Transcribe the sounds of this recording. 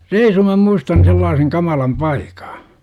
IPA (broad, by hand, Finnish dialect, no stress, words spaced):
reisu mæ muistɑn selːɑːseŋ kɑmɑlɑm pɑikɑ̥